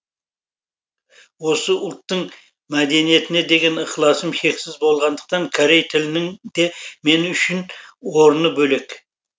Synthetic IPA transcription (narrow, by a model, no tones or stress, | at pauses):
wo̞səʊlˠt̪ːəɴ | mæd̪e̞nije̞t̪ɪne̞d̪e̞ɡʲe̞nəχlˠɑsəmʃe̞ksɪzbo̞lˠʁɑnd̪əq̚t̪ɑŋkʰaɾe̞jt̪ʰɪlɪnɪŋd̪e̞me̞nʏʃɪnwo̞ɾnəbɵle̞k